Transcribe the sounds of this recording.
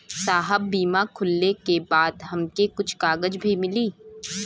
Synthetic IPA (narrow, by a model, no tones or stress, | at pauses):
saːɦəbːiːmakʰʊlːekebaːd̪ɦɐmkekʊt͡ʃʰkaːɡəd͡ʒbʱimɪliː